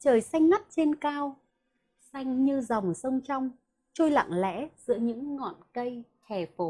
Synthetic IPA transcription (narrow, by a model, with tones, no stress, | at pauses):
t͡ɕəː˨˩jsa˧jŋ̟ŋa˦˥t̚t͡ɕe˧nkaː˧w | sa˧jŋ̟ɲɨ˧za˨˩wŋ͡msə˧wŋ͡mt͡ɕa˧wŋ͡m | t͡ɕu˧jla̰˧˨ŋlɛ̰˧˥z̥ɨ̰˧˥əɲɨ̰˧˥ŋːɔ̰˧˨nkə˧jt͡ɕɛ˧˩fo˧˩